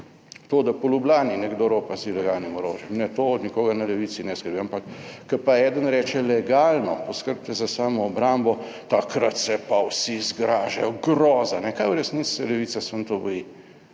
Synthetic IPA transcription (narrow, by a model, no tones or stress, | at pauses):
t̪oːd̪apɔlublaːninɛɡd̪oɾoːpasilɛɡaːlnimɔɾo̰ːʒɛmnɛt̪oɔd̪nikoːɡɐnɐlɛʋit̪sinɛskəɾbiampakːɐpaɛːd̪ənɾɛːt͡ʃɛlɛɡaːlnɔpɔskəɾb̚t̪ɛzasaːmɔːbɾambɔ | t̪akɾat̪sɛpawsizɡɾaːʒɛ̰jɔɡɾɔːzanɛkajwɾɛsnisɛlɛʋit̪sasənt̪obɔji